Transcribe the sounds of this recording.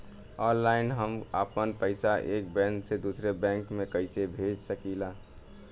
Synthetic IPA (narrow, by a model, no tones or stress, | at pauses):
ɔːnlaɪnɦəmə̰pənpəɪsaʔeːk̚bɛ̃nsed̪usɾebɛ̃ŋkmẽkəɪsebʱed͡ʒsəkila